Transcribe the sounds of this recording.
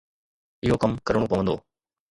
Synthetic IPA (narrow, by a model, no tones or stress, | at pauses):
ɪɦokɐmkɐɾəɳɽõpɐʋə̃nd̪oː